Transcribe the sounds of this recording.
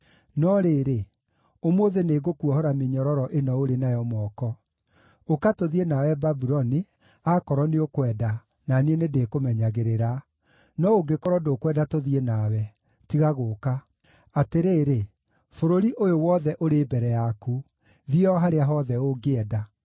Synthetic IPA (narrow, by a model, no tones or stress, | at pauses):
nɔɾeːɾe | omoðeneɣokuɔhɔɾameɲɔɾɔɾɔʔenɔoɾenajɔmɔkɔ | okatoðienawɛbabuɾɔni | akɔɾɔneokwɛːda | nanenedekomɛɲaɣeɾeɾa | nɔoɡekɔɾɔdokwɛdatoðienawɛ | tiɣaɣoːka | ateɾeːɾe | foɾoɾiʔojowɔðɛʔoɾebɛɾɛjaku | ðiɔɦaɾeaɦɔðɛoɡeɛda